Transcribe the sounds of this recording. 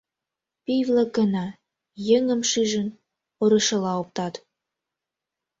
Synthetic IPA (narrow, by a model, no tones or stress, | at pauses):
pivlə̆kənɑ | jəŋə̆mʃiʒə̆n | oɾə̆ʃə̆lɑop̚t̪ɑt̪